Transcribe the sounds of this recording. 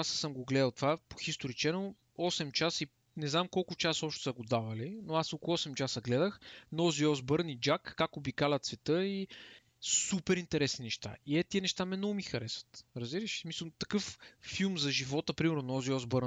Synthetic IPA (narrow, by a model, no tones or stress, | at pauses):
asəsəmɡoɡlɛd̪əlˠt̪vapo̥xist̪oɾit͡ʃɛno | ɔsɛmt͡ʃasi | nɛznamkɔlˠkʊt͡ʃasɔpʃt̪ʊ̥sɐɡod̪avɐlinoasoklˠɔsɛmt͡ʃasəɡlɛd̪əxnɔziɔzbəɾnid͡ʒakːakobikalʲɐt̪svɛt̪ɤi | supɛɾint̪ɛɾɛsninɛʃt̪a̰iɛt̪iɛnɛʃt̪amɛnɔɡʊmixɐɾɛsvə̥t̪ɾɐzbiɾəʃsmisəlˠt̪ɐkɤffilˠmzɐʒivɔt̪əpɾimɛɾnonɔziɔzbəɾ